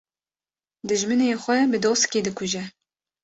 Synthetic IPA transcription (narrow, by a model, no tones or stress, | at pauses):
d̪ɨʒmɨneːxʷɛbɨd̪oːskeːd̪ɨkʰʷʊʒɛ